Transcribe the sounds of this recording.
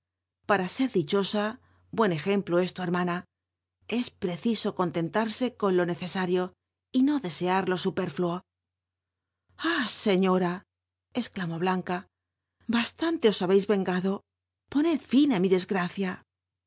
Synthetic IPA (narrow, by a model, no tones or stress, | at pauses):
paɾase̞ɾðit͡ʃo̞sa | bwe̞ne̞xe̞mploe̞st̪ueɾmana | e̞spɾe̞θiso̞ko̞nt̪e̞nt̪aɾse̞ko̞nlo̞ne̞θe̞saɾjo | ino̞ðe̞se̞aɾlo̞supe̞ɾfluo | ase̞ɲo̞ɾa | esklamo̞βlaŋka | bast̪ant̪e̞o̞saβe̞jzβe̞ŋɡaðo̞ | po̞ne̞t̪finamiðe̞zɣɾaθja